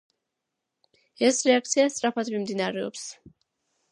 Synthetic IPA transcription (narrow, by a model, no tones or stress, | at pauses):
ɛsɾɛak̚t̪sʰiast̪sʼɾapʰad̪mimd̪inaɾɛɔ̰ps